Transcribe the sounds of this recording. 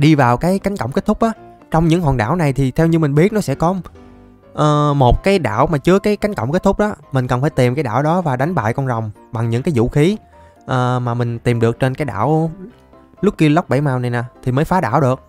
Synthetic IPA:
ɗi˧vaː˨˩wkaː˨˦jka˨˦jŋ̟kə̰˧˨wŋ͡mke˦˥t̚t̪ʰʊ˦˥k͡p̚ɗɔ˨˦ | t͡ɕɔ˧wŋ͡mɲɨ̰˧˥ŋɦɔː˨˩nɗa̰ː˧˩˨wna˨˩jt̪ʰi˨˩t̪ʰɛ˧wɲɨ˧mï˨˩ŋ̟ɓi˦˥ət̚nɔ˨˦sɛ̰˧˥kɔ˨˦ | ʔəː˨˩mo˨˩t̚kaː˨˦jɗa̰ː˧˨wmaː˨˩t͡ɕɨ˨˦əkaː˨˦jka˨˦jŋ̟kə̰˧˨wŋ͡mke˦˥t̚t̪ʰʊ˦˥k͡p̚ɗɔ˨˦mï˨˩ŋ̟kə˨˩nfaː˧˩jt̪i˨˩mkaː˨˦jɗa̰ː˧˩wɗɔ˨˦vaː˨˩ɗa˨˦jŋ̟ɓa̰ː˧˨jkɔ˧nzɔ˨˩wŋ͡m | ɓa˨˩ŋɲɨ̰˧˥ŋkaː˨˦jzṵ˧˥xi˨˦ | ʔəː˨˩maː˨˩mï˨˩ŋ̟t̪i˨˩mɗɨ˨˩ək̚t͡ɕe˧nkaː˨˦jɗa̰ː˧˩˨w | lʊ˦˥k͡p̚ki˧ələ˦˥wk͡p̚ɓa̰˧˩jmaː˧˩wna˨˩jnaː˨˩t̪ʰi˨˩məː˨˦jfaː˨˦ɗaː˧˩wɗɨ˨˩ək̚

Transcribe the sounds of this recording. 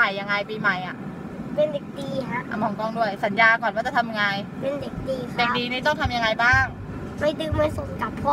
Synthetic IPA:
a˨˩jːa˧ŋːa˧jpiː˧ma˨˩jʔa˨˩ʔ | pe˧nde˨˩k̚diː˧ka˦˥ʔa˧˩mɔː˨˩˦ŋkɔː˥˩ŋdu˥˩əjsa˩˦njaː˧kɔː˨˩nwaː˥˩t͡ɕa˨˩t̪ʰa˧m˧ŋaː˧jpe˧nde˨˩k̚diː˧kʰde˨˩diː˧niː˥˩t̪ɔː˥˩t̪ʰa˧mja˧ŋa˧jbaː˥˩ŋ | ma˧˩jdɯː˧˩ma˧so˨˩˦ka˨˩pʰːɔ˧˥

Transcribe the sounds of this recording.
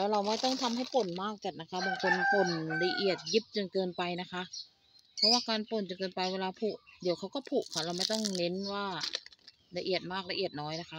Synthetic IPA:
lɛː˦˥wɾa˧wma˥˩jt̪ɔ˥˩ŋt̪ʰa˧mɦa˥˩jpo˨˩nmaː˥˩k̚ka˧˩nːa˦˧˥kʰa˧˦˥baː˨˩ŋkʰo˧npo˨˩nla˧ʔi˨˩ə˩t̪̚ji˦˥p̚t͡ɕo˨˩nkɤː˧npa˧jna˦˥kʰa˦˥ʔ | pʰɔ˧˥waː˧˥˩kaː˧npo˨˩nt͡ɕo˨˧˨nkɤː˧npa˧jweː˧laː˧pʰu˧˩ʔdi˨˦əwkʰa˦˥wkɔ˧˥˩pʰu˧˩ʔkʰa˧˩wla˧wma˥˩jt̪ɔ˥˩ŋne˧˦˥nwaː˧˥˩ | la˧ʔi˨˩ət̪̚maː˥˩k̚la˧ʔi˨˩ət̪̚nɔː˦˥jna˦˥kʰa˦˧

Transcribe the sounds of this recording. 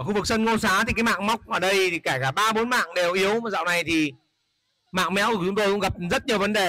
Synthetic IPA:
ə˧˩xu˧vɨ˨˩k̚sə˧nŋo˧saː˨˦t̪i˨˩kaː˨˦jma̰ː˧˨ŋma˦˥wk͡p̚ʔəː˨˩ɗə˧jkaː˧˩kaː˧˩ɓaː˧ɓo˨˦nma̰ː˧˨ŋɗe˨˩wʔi˨˦əwza̰ː˧˨wna˨˩jt̪ʰi˨˩ | ma̰ː˧˨ŋmɛ̰˧˥wku˧˩t͡ɕʊ˨˦ŋ͡mt̪o˧jkʊ̰˧˥ɣa˨˩p̚zə˦˥t̚ɲi˨˩əwvə˨˦nɗe˨˩

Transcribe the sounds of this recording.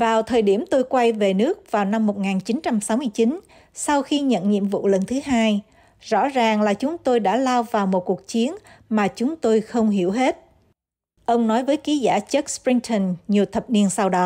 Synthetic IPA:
vaː˨˩wt̪ʰəː˨˩jɗi˧˩əmt̪o˧jkwa˧jve˨˩nɨ˦˥ək̚vaː˨˩wna˧mːo˨˩t̚ŋaː˨˩nt͡ɕi˨˦nt͡ɕa˧msa˨˦wmɨ˧əjt͡ɕi˨˦n | sa˧wxi˧ɲə̰˧˨nɲḭ˧˨əmvṵ˧˨lə˨˩nt̪ʰɨ˨˦ɦaː˧j | zɔ̰˧˥zaː˨˩ŋlaː˨˩t͡ɕʊ˨˦ŋ͡mt̪o˧jɗa̰ː˧˥laː˧wvaː˨˩wmo˨˩t̚ku˨˩ək̚t͡ɕi˨˦ənmaː˨˩t͡ɕʊ˨˦ŋ͡mt̪o˧jxə˧wŋ͡mɦi˧˩əwɦe˦˥t̚ | ʔə˧wŋ͡mnɔ˨˦jvəː˨˦jki˨˦za̰ː˧˩t͡ɕə˦˥k̚spɹi˧ŋt̪ʰə˧˩nɲi˨˩əwt̪ʰə˨˩p̚ni˧ənsa˧wɗɔ˨˦

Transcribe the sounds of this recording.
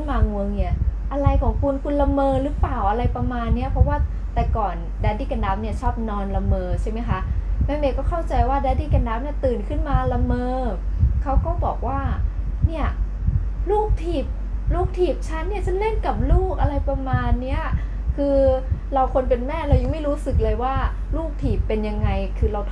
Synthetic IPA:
maː˧ŋu˧əŋni˦˥˩ɐʔa˧ɾa˧jkʰɔː˩˦ŋkʰu˧nkʰu˧nla˧mɤː˧ɾɯː˦˥paː˨˩wʔa˧ɾa˧jpa˧maː˧nːi˦˥ɐpʰɔ˦˥waː˥˩ | t̪ɛ˨˩kɔː˨˩n | daː˧˦diː˥˩ka˧ndaː˦˥p̚ni˥˩ɐt͡ɕʰɔː˥˩p̚nɔː˧nla˧mɤː˧t͡ɕʰa˥˩ma˦˥jkʰa˦˥mɛː˦˥˩meː˧kɔː˥˩kʰa˥˩wt͡ɕa˧jwaː˥˩daː˧˦diː˥˩ka˧ndaː˦˥p̚ni˦˥˩ɐt̪ɯː˨˩nkʰɯ˥˩nmaː˧la˧mɤː˧ | kʰa˦˥wkɔː˥˩bɔː˨˩k̚waː˥˩ni˥˩ɐ | luː˥˩k̚t̪ʰiː˨˩p̚ | luː˥˩k̚t̪ʰiː˨˩p̚t͡ɕʰa˦˥nːi˥˩ɐt͡ɕa˨˩le˥˩nka˨˩p̚luː˥˩k̚ʔa˧ɾa˧jpɾa˧maː˧nːi˦˥ɐ | kʰɯː˧ɾa˧wkʰo˧np̬e˧nmɛː˥˩ɾa˧wja˧ŋma˥˩jɾuː˦˥sɯ˨˩k̚lɤː˧jwaː˥˩ | luː˥˩k̚t̪ʰiː˨˩pːe˧nja˧ŋːa˧jkʰɯː˧ɾa˧wt̪ʰ

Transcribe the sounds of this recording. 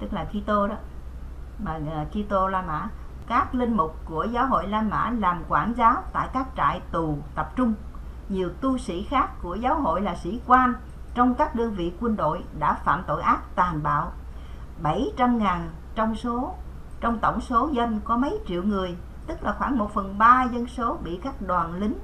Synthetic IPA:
t̪ɨ˦˥k̚laː˨˩ki˧t̪o˧ɗɔ˨˦ | maː˨˩˨ki˧t̪o˧laː˧ma̰ː˧˥ | kaː˦˥k̚lï˧ŋ̟mʊ˨˩k͡p̚ku˧˩əzaː˨˦wɦo̰˧˨jlaː˧ma̰ː˧˥laː˨˩mkwaː˧˩nzaː˨˦wt̪a̰ː˧˨jkaː˦˥k̚t͡ɕa̰ː˧˨jt̪u˨˩t̪ə˨˩p̚t͡ɕʊ˧ŋ͡m | ɲi˨˩əwt̪u˧sḭ˧˥xaː˦˥kːu˧˩əzaː˨˦wɦo̰˧˨jlaː˨˩sḭ˧˥kwaː˧n | t͡ɕɔ˧wŋ͡mkaː˦˥k̚ɗə˧nvḭ˧˨kwə˧nɗo̰˧˨jɗa̰ː˧˥fa̰ː˧˨mt̪o̰˧˨jʔaː˦˥t̚t̪aː˨˩nɓa̰ː˧˨w | ɓə˧˩jt͡ɕa˧mŋaː˨˩n | t͡ɕɔ˧wŋ͡mso˨˦ | t͡ɕɔ˧wŋ͡mt̪ə˧˩wŋ͡mso˨˦zə˧nkɔ˨˦mə˨˦jt͡ɕḭ˧˨əwŋɨ˨˩əj | t̪ɨ˦˥k̚laː˨˩xwaː˧˩ŋmo˨˩t̚fə˨˩nɓaː˧zə˧nso˨˦ɓḭ˧˨kaː˦˥k̚ɗwaː˨˩nlï˨˦ŋ̟

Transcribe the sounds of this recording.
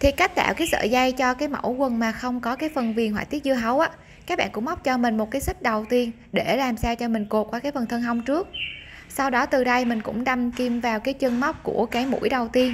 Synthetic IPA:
t̪ʰi˨˩ka˦˥jk̚t̪a̰ː˧˨wkaː˨˦jsə̰ː˧˨za˧jt͡ɕɔ˧kaː˨˦jmə̰˧˩wkwə˨˩nmaː˨˩xə˧wŋ͡mkɔ˨˦kaː˨˦jfə˨˩nvi˨˩ənhwa̰ː˧˨jt̪i˦˥t̚zɨ˧ɦə˨˦wʔaː˨˦ | kkaː˦˥k̚ɓa̰ː˧˨kʊ̰˧˥ŋ͡mma˦˥k͡p̚t͡ɕɔ˧mï˨˩ŋ̟mo˨˩t̚kaː˨˦jsï˦˥k̟̚ɗə˨˩wt̪i˧ən | ɗe˧˩laː˨˩msaː˧t͡ɕɔ˧mï˨˩ŋ̟ko˨˩t̚kwaː˨˦kaː˨˦jfə˨˩nt̪ʰə˧nɦa˧wŋ͡mt͡ɕɨ˦˥ək̚ | sa˧wɗɔ˨˦t̪ɨ˨˩ɗə˧jmï˨˩ŋ̟kʊ̰˧˥ŋ͡mɗa˧mki˧mvaː˨˩wkaː˨˦jt͡ɕə˧ŋma˦˥k͡p̚kṵ˧˩əkaː˨˦jmṵ˧˥jɗə˨˩wt̪i˧ən

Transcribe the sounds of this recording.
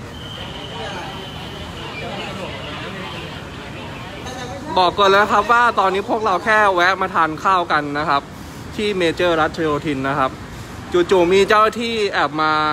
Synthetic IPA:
bɔː˨˩kːɤː˨˩lːna˦˥kʰa˦˥p̚waː˥˩t̪ɔː˧nːiː˦˥pʰu˥˩ək̚ɾa˧wkʰɛː˥˩wɛ˦˥ʔ̚maː˧t̪ʰaː˧nkʰaː˥˩wka˧nːa˦˥kʰa˦˥p̚ | t̪ʰiː˥˩meː˧t͡ɕɤː˥˩ɾa˦˥t̪̚t͡ɕʰa˧joː˧t̪ʰi˧nːa˦˥kʰa˦˥p̚ | t͡ɕu˨˩t̪̚t͡ɕuː˨˩miː˧t͡ɕaː˥˩t̪ʰiː˥˩ʔɛː˨˩p̚maː˧

